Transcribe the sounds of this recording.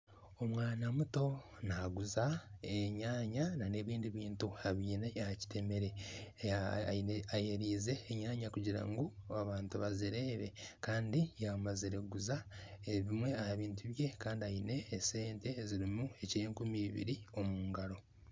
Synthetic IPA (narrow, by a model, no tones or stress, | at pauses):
o̞mwaːnamuto̞ | naɡuzaeɲaːɲanane̞ːβiːndiβiːntuaβiːnehaci̥te̞me̞ɾe̞ | ieajeɾiːze̞ːɲaːɲakuɟiɾa̰ŋɡoaβaːntuβaziɾe̞ːβe̞kaːndijamaziɾe̞ɡuzaeβimwe̞ahaβiːntʰuβje̞kaːndiajine̞ːse̞ːnte̞ziɾimue̞ceːŋkumiβḭɾio̞muːŋɡaɾo̞